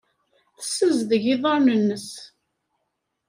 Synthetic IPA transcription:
θə̥sːəzðəʝɪðˤɑɾˤnənːəs

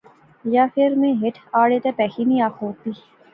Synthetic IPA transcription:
jaːfʰɪɾmẽɦɪʈʰaːɽet̪epɛːxinĩaːkoːt̪iː

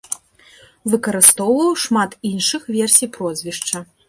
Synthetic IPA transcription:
vɨkɐɾɨst̪ɔwvɐwʂmat̪inʂɨxvʲɛrsʲijpɾɔzʲvʲiʂt͡ʂɐ

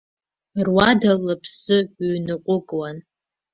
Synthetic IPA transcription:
rwadalapʰsɨɥnɨqʷʼʊkʼwan

